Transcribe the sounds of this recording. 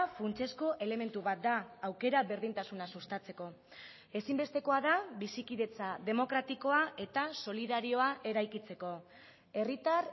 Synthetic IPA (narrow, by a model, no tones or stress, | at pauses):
funt͡se̞sko̞ʔe̞le̞me̞nt̪uβat̪̚d̪aːwke̞ɾaβe̞ɾð̞int̪asunasust̪at͡se̞ko̞ | e̞simbe̞st̪e̞ko̞aðaβisikiðe̞t͡saðe̞mo̞kɾat̪iko̞aʔe̞t̪aso̞liðaɾio̞aʔe̞ɾajkit͡se̞ko̞ | e̞rit̪ar